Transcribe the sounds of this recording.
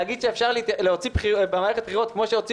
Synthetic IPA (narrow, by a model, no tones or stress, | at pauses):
aɡid̥̪ʃeeːfʃaʁlt̪leot͡sibχibemaːʁeet̚b̥χiʁot̪kmo̞ʃeot͡si